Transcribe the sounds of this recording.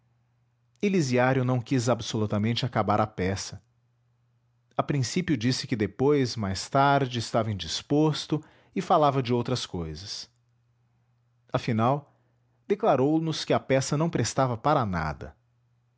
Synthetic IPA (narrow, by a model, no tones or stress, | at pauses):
eliziaɾjʊnɐ̃w̃kizabsolut̪ɐmẽnt͡ʃɪakabaɾʔɐpɛsɐ | ɐpɾĩsipjʊd͡ʒisɪ̥kɪd̪epojzmajst̪aɾd͡ʒɪɪst̪avɐẽd͡ʒispost̪ʊ | ɪfalavɐd͡ʒɪowt̪ɾɐskojzɐs | ɐfinaw | d̪eklaɾownʊskɪɐpɛsɐnɐ̃w̃pɾest̪avɐpaɾɐna̰d̪ɐ̰